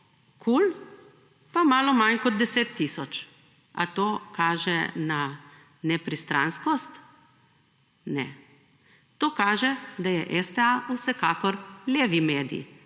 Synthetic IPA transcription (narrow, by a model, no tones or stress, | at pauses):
kʰul | pamaːlɔmankɔd̪̚d̪ɛseːt̪ːiːsɔt͡ʃ | a̰t̪oːkaːʒɛna | nɛpɾist̪ɾa̰nskɔst̪ | nɛ̰ | t̪oːkaːʒɛd̪ajɛʔɛst̪ɛausɛkaːkɔɾlʲeːʋimeːd̪ḭ